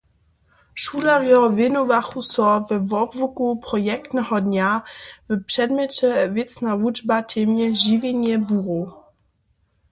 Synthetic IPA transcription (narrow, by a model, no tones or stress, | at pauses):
ʃulaʁjɔvɪnovaxusɔvɛvɔbvukupɾɔjɛkt̪nɛhɔd̪ɲʲavəpʂɛdmʲɛt͡ʃɛvɪt͡snalud͡ʒbatʰemjɛʒivʲjɛɲɛbuʁo